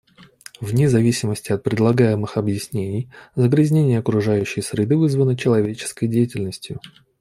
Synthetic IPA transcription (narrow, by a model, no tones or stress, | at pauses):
vnʲɪzɐvʲisʲɪməsʲtʲɪɐt̪̚pɾʲɪd̪lˠɐɡajɪmɨxɐbjɪsʲnʲenʲɪjzəɡɾʲɪzʲnʲenʲɪjəɐkɾʊʐajʉɕːɪjsɾʲɪd̪ɨvɨzvənɨt͡ɕɪlˠɐvʲet͡ɕɪ̥skəjdʲejɪtʲɪlʲnəsʲtʲjʊ̰